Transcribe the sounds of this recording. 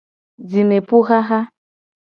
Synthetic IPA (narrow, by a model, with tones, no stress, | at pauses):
d͡zi˨me˨pu˦ɣa˦ɣa˦